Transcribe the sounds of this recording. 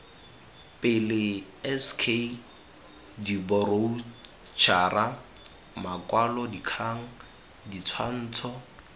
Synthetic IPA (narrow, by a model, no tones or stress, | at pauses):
pʼɪlɪ | ɛskʰe | dibɔro | t͡ʃʰarʔa | makʼwalɔdikʰaŋ̩ | dit͡sʰwan̩ːt͡sʰɔ